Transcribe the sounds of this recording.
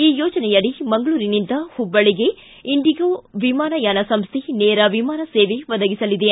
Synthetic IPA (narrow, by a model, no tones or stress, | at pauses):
iːjoːd͡ʒɐnɛjɐɽimɐŋɡɐɭuːɾinind̪ɐhubːɐɭiɡe̞ | iɳɖiɡoːʋimaːnɐjaːnɐsɐmst̪ʰineːɾɐʋimaːnɐseːʋeʋɐd̪ɐɡisɐlid̪e